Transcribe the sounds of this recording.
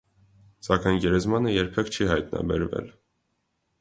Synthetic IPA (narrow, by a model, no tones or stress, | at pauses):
sɑkɑjnɡɛɾɛzmɑnəjɛɾpʰɛkt͡ʃʰiɦɑjt̪nɑ̰bɛɾvɛ̰l